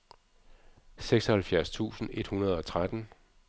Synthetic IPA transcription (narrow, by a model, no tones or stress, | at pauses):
seɡ̥sɒ̽hælfjæɐst͡sʰṵːsn̩e̝d̥hunɐð̞̩ˠɒ̽t͡sʰʁad̥n̩